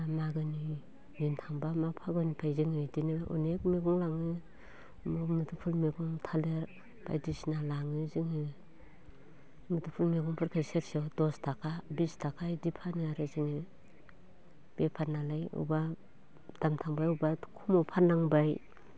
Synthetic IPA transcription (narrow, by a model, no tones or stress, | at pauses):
amaɡɯni | nintʰaŋbamapʰaɡɯnipʰajziŋɯdinɯʔṵnek̚meɡɔŋlaŋɯ | mɔmɯtʰupʰulmeɡɔŋtʰaleɾ | b̥a̰jdisnalaŋɯziŋɯ | mɯtupʰulmeɡɔŋpʰɯɾkʰajseɾsɔdɔstʰakʰabistʰakʰajdipʰanɯaɾɯziŋɯ | b̥epʰanalajṵba | d̥amtʰaŋbajubatkʰumɔpʰanaŋbaj